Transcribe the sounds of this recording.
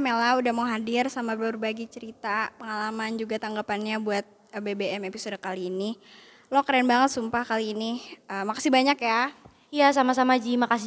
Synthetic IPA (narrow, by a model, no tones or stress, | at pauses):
melaudahmauɦadɪrsamabɾrbaɡit͡ʃəɾit̪apəŋalamand͡ʒuɡat̪aŋɡapanɲabuat̪̚bebeɛmepisodakaliːni | lokəɾanbaŋət̪̚sumpahkaliːniəmakasibaɲakja | jasamasamad͡ʒimakasi